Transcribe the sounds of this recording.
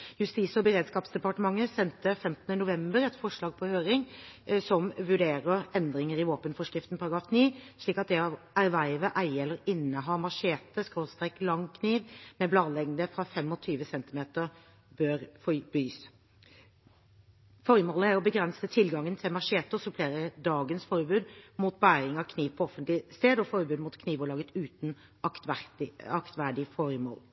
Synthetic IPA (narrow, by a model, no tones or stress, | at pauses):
jʉst̪iːsɔbəɾeːd̪skɑːpsd̪ɛpɑʈəmɑŋːəsɛnt̪əfɛmt̪ənənʊʋɛmbəɾɛt̪fɔʂɭɑːɡ̚pʰɔhøːɾɪŋsɔmʋʉɖeːɾəɾɛnd̪ɾɪŋəɾɪʋoːpənfɔʂkʁɪft̪n̩pʰɑɾɑɡɾɑːfniːʂɭiːkɑt̪̚d̪ɛɑ | æɾʋæɪʋəʔæɪɛlːəɾɪnːəɦɑːmɑʂeːt̪əskɾoːst̪ʁɛklɑŋkʰniːʋmɛblɑːd̪lɛɡnd̪əfɾɑfɛmːɔt̪ʰyːʋəsɛnt̪ɪmeːt̪əɾ | bøːɾfɔbyːs | fɔɾmoːləæɾɔbəɡɾɛnsət̪ʰɪlɡɑŋːənt̪ʰɪlmɑʂeːt̪əsʉpʰleːɾəd̪ɑːɡənsfɔɾbʉːd̪muːt̪̚bæːɾɪŋɑkʰniːʋpʰɔɔfənt̪lɪst̪eːd̪ɔfɔɾbʉːd̪muːt̪kʰniːʋɔɭɑːɡət̪ʉːt̪n̩ | ɑk̪æɑkt̪ʋæɖɪfɔɾmo̰ːl